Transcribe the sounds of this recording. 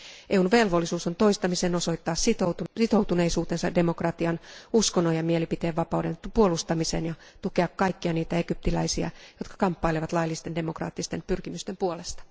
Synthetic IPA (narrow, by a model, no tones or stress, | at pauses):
ʔeːunʋe̞lʋo̞lːisuːsont̪o̞ist̪ɑmiseːno̞so̞it̪ːɑːsit̪osit̪o̞wt̪une̞isuːt̪e̞nsɑde̞mo̞krɑt̪iɑnuskonːojɑmielipit̪eːʋʋɑpɑwde̞npuolust̪ɑmise̞̰njɑ | t̪uke̞ɑkːɑikːiɑniːt̪æekyp̚t̪ilæisiæ̰jo̞t̪̚kɑ̥kɑmpːɑileʋɑt̪lɑilːist̪e̞nde̞mo̞krɑ̰ːt̪ːist̪e̞mpyrkimyst̪empuole̞st̪ɑ̥